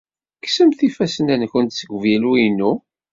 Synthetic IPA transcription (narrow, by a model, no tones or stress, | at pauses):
ksəmθifæsənænçənt̪səɡʷvjæluinːu